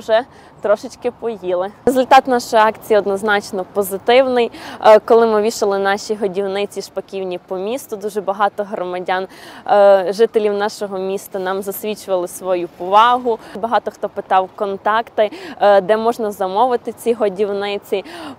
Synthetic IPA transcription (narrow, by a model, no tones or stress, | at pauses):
ʒɛ | t̪ɾɔʃɪt͡ʃkɪpɔjilˠɪezʊlʲt̪ɑt̪nɑʃɔjɑkt͡sʲijiɔd̪nɔznɑt͡ʃnɔpɔzɪt̪ɪwnɪjkɔlˠɪmɪʋʲiʃɐlˠɪnɑʃʲiɦɔdʲiwnɪt͡sʲiʃpɐkʲiwnʲipɔmʲist̪ʊd̪uʒɛbɐɦɑt̪ɔɦɾɔmɐdʲɑn | ʒɪt̪elʲiwnɑʃɔɦɔmʲist̪ɐnɑmzɐsʲʋʲit͡ʃʊʋɐlˠɪsʋɔjupɔʋɑɦʊbɐɦɑt̪ɔxt̪ɔpɪt̪ɑwkɔnt̪ɑkt̪ɪd̪ɛmɔʒnɐzɐmɔʋɪt̪ɪt͡sʲiɦɔdʲiwnɪt͡sʲi